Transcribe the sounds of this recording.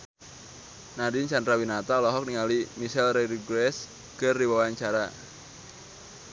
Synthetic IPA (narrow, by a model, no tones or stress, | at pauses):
naɾint͡ʃandɾawinat̪alɔɦɔk̚niŋalimiʃɛlɾeɾiɡɾɛs | kərdiwawaɲt͡ʃaɾa